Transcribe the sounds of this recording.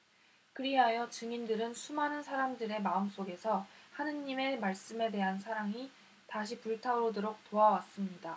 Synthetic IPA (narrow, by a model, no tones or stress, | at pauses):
kɯɾiɦajʌt͡ɕɯŋindɯɾɯnsʰumanɯnsʰaɾamdɯɾe̞maɯms͈oɡe̞sʰʌhanɯnime̞maɭs͈ɯme̞de̞ɦansʰaɾaŋi | taɕʰipuɭtʰaɾodoɾok̚toawas͈ɯmɲida